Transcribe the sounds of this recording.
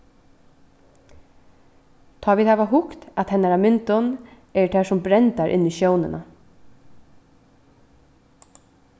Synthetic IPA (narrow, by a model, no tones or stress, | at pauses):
t̪ʰaːviːðhɛːʋaɦʊkt̪at̪hɛnːaɾamɪnt̪ɔn | ɛɹt̪ʰɛːsʊmbɾɛnt̪aɾʔɪ̰nːɪʃjoːwnɪna